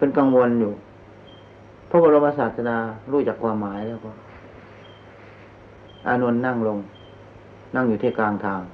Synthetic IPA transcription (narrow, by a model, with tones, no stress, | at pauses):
pe˧nka˧ŋwo˧njuː˨˩ | pʰɔ˧˥˨waː˧ɾa˧wmaː˧saː˨˩t̪̚sa˧naː˧ɾuː˧˩t͡ɕa˨˩kʰːwaː˧mːaː˩˦jlɛː˧˥˩wkɔː˧˩ | ʔa̰ː˧nu˧ənːa˥˩˨ŋlo˧ŋ | na˧˥˩ŋjuː˨˩ɛː˧˥˩klaː˧ŋt̪ʰaː˧ŋ